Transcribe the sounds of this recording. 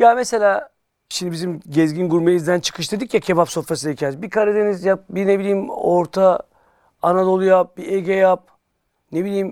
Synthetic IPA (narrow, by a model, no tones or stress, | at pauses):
jamese̞lʲaː | ʃimd̪ibizimɟɛzɟinɡuɾmejizd̪ænt͡ʃʰɯ̥kʰɯʃd̪ed̪ɯcjacʰebapso̞fɾasɯnɛcʰɛzbikʰaɾad̪e̞nizjap̚bine̞bilʲiːmo̞ɾt̪ʰa | anad̪o̞lˠujap̚biʔeɟejap̚ | nebilʲiːm